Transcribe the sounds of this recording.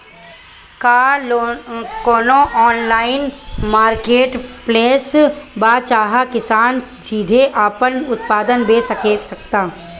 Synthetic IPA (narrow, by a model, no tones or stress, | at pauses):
kaː | koːnõʔɔːnlaːɪnmaːɾkeːʈpleːsbaːt͡ʃaːɦakɪsaːn | d͡ʒiːd̪ʱeʔaːpənʊt̪paːd̪ənbeːsɐkeːt̪sɐkt̪aː